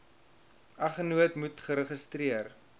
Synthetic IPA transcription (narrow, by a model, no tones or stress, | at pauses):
ɐχənuətmutχəɾəχəstriər